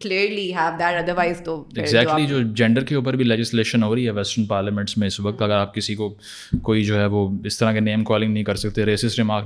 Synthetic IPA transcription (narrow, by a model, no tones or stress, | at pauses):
kliəɾliɦæʋd̪æʈɐd̪əɾʋaɪzt̪oɪɡzɛːkʈlid͡ʒoːd͡ʒɛ̃ɳɖəɾkeʊːp̬əɾbʱilɛd͡ʒɪsleːʃənɦoːɾɐiɦɛʋɛsʈəɾnpaːɾlamɛ̃ɳʈsmẽɪsʋɐk̚t̪ɐɡəɾaːp̚kɪsiko | koːid͡ʒoːɦɛʋoːɪst̪ɐɾ̤ãkeneːmkɔːlɪ̃ŋnɐɦĩkɐɾsɐk̚t̪eɾeːsɪsʈɾɪmaːk